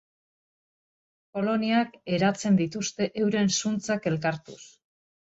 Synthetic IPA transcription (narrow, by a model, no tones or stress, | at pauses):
po̞lo̞niake̞ɾat͡se̞nd̪it̪ust̪e̞ʔewɾe̞nsunt͡sake̞lkaɾt̪ṵs